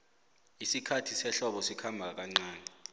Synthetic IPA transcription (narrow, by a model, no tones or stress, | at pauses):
isikʰatʰisɛɬɔɓɔsikʰambʱaak̬aŋ͡ǀaːnɛ